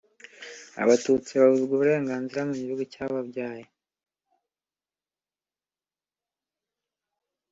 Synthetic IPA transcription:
a̰βatuːt͡siβaβuzɡuβuɾe̞ːŋɡaːnziɾamuɲiβuɡecaβabɟaːje

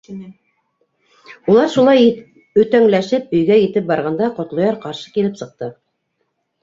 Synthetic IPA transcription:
ulˠɑɾʃulˠɑj | ɵ̆t̪æŋlæʃɘp̚ɵ̆jɡæjɘ̆t̪ɘp̚bɑɾʁɑnd̪ɑqŏt̪lˠŏjɑɾqɑɾʃɤ̥kilɘpsɤ̆q̚t̪ɤ

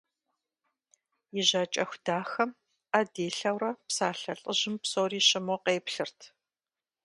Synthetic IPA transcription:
jɪʑɐːt͡ʃʼɐxʷd̥aːxɐm | ɐdeːɬɐwɾɐpsaːɬɐɬʼəʑɪmpsoːriːɕɪmɔqeːpɬɨrtʰ

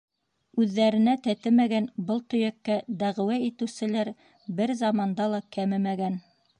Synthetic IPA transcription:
ʉðːæɾɘ̆næt̪æt̪ɘmæɡænbɤlˠt̪ɵ̆jækːæd̪æʁɘ̆wæit̪ɘ̆wsɘ̆læɾ | bɘɾzɑmɑnd̪ɑlˠɑkæmɘmæɡæn

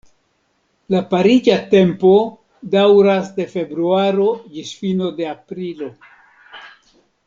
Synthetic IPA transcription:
lapaɾid͡ʒate̞mpo̞ | dawɾasde̞fe̞bɾuaɾo̞d͡ʒisfino̞de̞apɾilo̞

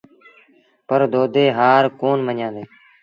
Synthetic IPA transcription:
pəɾd̪oːd̪eːɦaːɾkoːnməɲjãːnd̪eː

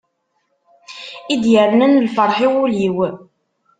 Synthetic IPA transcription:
id̪jəɾnənlfəɾˤħiwuliw

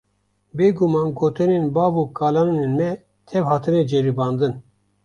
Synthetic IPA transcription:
beːɡumɑːnɡoːt̪ɨnenbɑːvukaːlɑːnnenmɛ | t̪ʰɛvhɑːt̪ʰɨnɛd͡ʒeɾibɑːnd̪ɨn

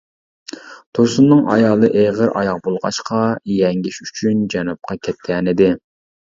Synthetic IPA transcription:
t̪ʰoɾsunːɨŋʔɑ̰jɑːlˠɨʔeʁəɾʔɑ̰jɑq̚bolˠʁɑ̰ʃqʰɑjɛŋɡʲiʃyt͡ʃʰynd͡ʒɛnup̚qɑkʲʰɛt̪̚kʲɛnɪd̪ɪ

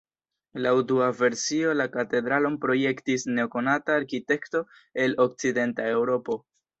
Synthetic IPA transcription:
lawduave̞ɾsio̞lakate̞dɾalo̞npɾo̞je̞ktisne̞oko̞nataːɾkite̞kto̞ | e̞lo̞k̚t͡side̞ntae̞wɾo̞po̞

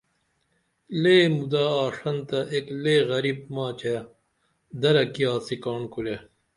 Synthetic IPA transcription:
leːmud̪aːʂɐnt̪ɐʔekleːɣɐɾib̚maːt͡ɕʰe | d̪ɐɾɐkijaːsikaːɳkule

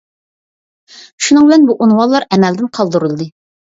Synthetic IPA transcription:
ʃunɨŋbɪlɛnbuʔunwɑnlˠɑɾɛmɛld̪ɪnqʰɑlˠd̪ɨɾulˠd̪ɨ

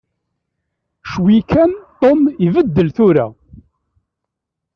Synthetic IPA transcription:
ʃwikænt̪ˤomivəd̪ːəlθʊɾa̰

